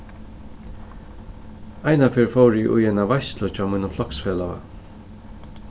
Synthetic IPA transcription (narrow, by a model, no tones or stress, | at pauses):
ajnafɛːɹfowɾɪʔʊ̰jɛnavajst̪lʊt͡ʃʰɔːmiːnʊflɔksfɛːlaa̰